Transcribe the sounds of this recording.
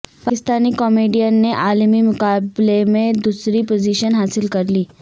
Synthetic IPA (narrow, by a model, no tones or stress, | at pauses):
pakist̪aniːkɔmeɖijanːeʔalmiːmukablemed̪usɾiːpod͡ʑiɕənɦasilkəɾliː